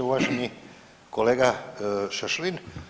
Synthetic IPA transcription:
uʋaʒeni | koleːɡaʃəʃlin

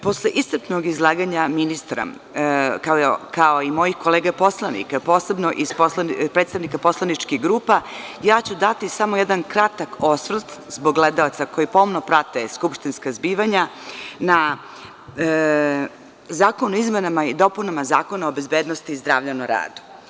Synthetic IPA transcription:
po̞slˠeʔist̪r̩p̪noɡizlˠaːɡaɲaminist̪ɾa̰ | kakaoimo̞jixko̞leːɡapo̞slˠanḭkapoːsebnoʔisposlanipɾet̪st̪aʋnikapo̞slˠanit͡ʃkiɣɡɾuːpajaːt͡ɕud̪at̪isamo̞jed̪ankɾat̪ako̞sʋr̩t̪zboɡled̪aot̪sako̞jipoomnopɾat̪eskupʃt̪inskazbiːʋaɲana | zaːkonuizmenamaid̪o̞punamazaːko̞naobe̞zbeːd̪nost̪iːzd̪ɾa̰ːʋʎanoɾa̰ːd̪u̥

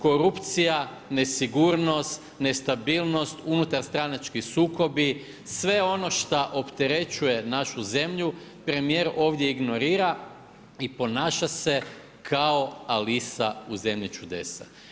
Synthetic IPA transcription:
ko̞ɾupt̪sija | ne̞siɡuːɾno̞st̪ | ne̞st̪abiːlˠno̞st̪unut̪aɾst̪ɾanat͡ʃkisuːko̞bi | sʋe̞o̞no̞ʃt̪aʔo̞pt̪e̞ɾe̞t͡ʃuje̞naʃuze̞mʎupɾe̞mije̞ɾo̞ːʋd̪je̞iɡno̞ɾiːɾa | ipo̞naːʃase̞ | kʰao̞alisauze̞mʎit͡ʃud̪e̞sa̰

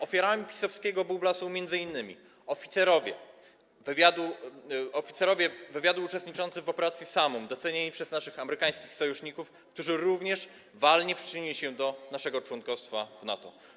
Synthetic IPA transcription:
ɔfʲaɾamʲipʲi̥sɔfskʲɛɡɔbublasɔw̃mʲjɛnd̪zɘinːɘmʲḭ | ɔfʲit̪sɛɾɔvʲjɛ̰ | vvʲjad̪uɔfʲit̪sɛɾɔvʲjɛvɘvʲjad̪uːt͡ʂɛst̪ɲit͡ʂɔnt̪sɘvɔpɛɾat̪sʲjisamɔmd̪ɔt̪sɛɲeɲʲipʂɛznaʂɘxamɛɾɘkaj̃skʲixsɔjuʂɲikuf | k̚t̪uʐɘɾuvɲɛʂ | valɲɛpʂɨ̥t͡ʂɪɲilʲiɕɛd̪ɔnaʂɛɡɔt͡ʂwɔnkɔfst̪favna̰t̪ɔ̰

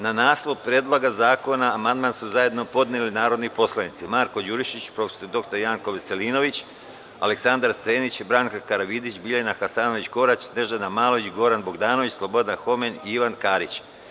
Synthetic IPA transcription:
nanaːslˠopɾeːd̪lˠoɡazaːko̞naːmand̪mansuzaje̞d̪no̞po̞d̪nelinaːɾo̞d̪nipo̞slˠanit̪simaːɾko̞d͡ʒuːɾiʃit͡ɕpɾo̞fe̥soɾd̪o̞kt̪oɾjaːŋkoʋese̞liːno̞ʋit͡ɕ | a̰leksand̪aɾseːnit͡ɕbɾaːŋkakaɾaʋid̪it͡ɕbiʎeenaxasaːno̞ʋit͡ɕko̞ɾat͡ɕsne̞ʒanamaːlˠoʋit͡ɕɡo̞ɾanbo̞ɡd̪aːno̞ʋit͡ɕslˠo̞bo̞d̪anxo̞me̞niiʋankaːɾit͡ɕ

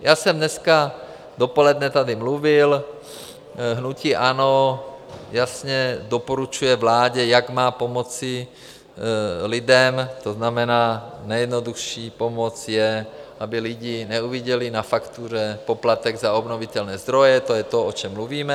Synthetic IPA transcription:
jaːsɛmd̪nɛska | d̪opolɛd̪nɛt̪ad̪ɪmluvɪl | ɦnuciːʔano | jasɲɛd̪opoɾut͡ʃujɛvlaːɟɛjaɡmaːpomot͡sɪ | lɪd̪ɛmt̪oznamɛnaːnɛjɛd̪nod̪uxʃiːpomot͡sjɛʔabɪlɪɟinɛuviɟɛlɪnafakt̪uːɾɛpoplat̪ɛɡzaobnovit̪ɛlnɛːzd̪ɾojɛt̪ojɛt̪oot͡ʃɛmːluviːmɛ

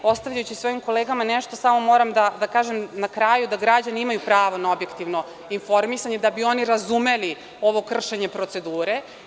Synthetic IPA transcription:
o̞st̪aʋʎajut͡ɕisʋo̞imko̞leːɡamanɛʃt̪o̞samo̞mo̞ːɾamd̪ad̪akaːʒemnakɾaːjud̪aɡɾad͡ʑaniimajupɾaːʋonao̞bje̞kt̪iʋno̞ | info̞ɾmisaɲe̞d̪abio̞niɾazume̞li | o̞ʋo̞kr̩ʃe̞ɲe̞pɾo̞t̪se̞d̪uːɾe̞

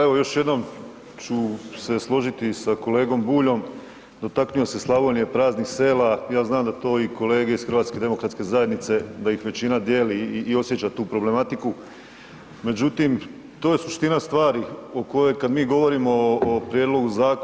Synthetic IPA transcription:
eʋojo̞ʃje̞d̪no̞m | t͡ʃuse̞slˠo̞ʒit̪isako̞le̞ːɡo̞mbuːʎo̞m | d̪o̞t̪aknujo̞se̞slˠaʋonije̞pɾaːznixse̞ːlajaːznaːmd̪at̪o̞ːiko̞le̞ːɡe̞isxɾ̩ʋaːt̪ske̞d̪e̞mo̞kɾat̪ke̞zaje̞d̪nit̪se̞d̪ajixʋe̞t͡ɕinad̪je̞ːliːo̞sjet͡ɕat̪uːpɾo̞ble̞mat̪iku | me̞d͡ʑut̪im | t̪oːje̞suʃt̪inast̪ʋaːɾioko̞jo̞jkad̪miːɡo̞ʋo̞ɾimo̞ːpɾjed̪lˠo̞ɡuzaːk

